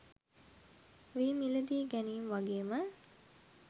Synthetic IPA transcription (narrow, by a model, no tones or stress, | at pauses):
ʋiːmiləd̪iːɡænimʋaɡeːmə